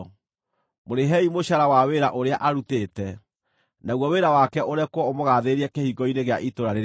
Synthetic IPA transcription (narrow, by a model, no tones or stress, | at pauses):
moɾeɦɛimoɕaɾawaweɾaʔoɾeaʔaɾutetɛ | naɣwɔweɾawakɛʔoɾɛkwɔomoɣaːðeɾiɛkehiɡɔineɣea̰ʔitoɾaɾe